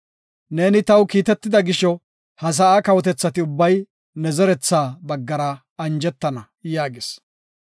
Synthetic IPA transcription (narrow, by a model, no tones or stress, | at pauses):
ne̞ːnɪt̪ɐwkiːt̪ɛt̪ːɪd̪ɐɡɪʃɔ | hɐs̬ɐaːkɐwɔt̪ɛt͡sːɐt̪ɪʊbːɐj | nɛzɛɾɛt͡sːaːbɐɡːɐɾɐ | ɐnd͡ʒɛt̪ːɐnɐ | jaːɡes